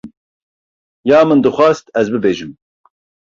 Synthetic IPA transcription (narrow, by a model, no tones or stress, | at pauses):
jaːmɨnd̪ɨxʷɑːst̪ɛzbɨbeːʒɨm